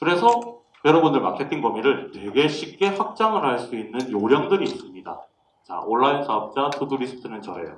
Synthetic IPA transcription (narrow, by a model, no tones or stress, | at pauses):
kɯɾe̞sʰʌ | jʌɾʌbundɯɭmakʰe̞t͈ɯnɡʌmiɾɯɭnwe̞ɡe̞ɕʰip̚k͈e̞ɸwak̚t͡ɕ͈aŋɯɭɦaɭs͈uinːɯnjoɾjʌŋdɯɾiːs͈ɯmɲida̰ | t͡ɕa̰oɭːainsʰaʌp̚t͡ɕ͈atʰuduɾisʰɯ̥tʰɯnɯnt͡ɕʌɾe̞̰jo̰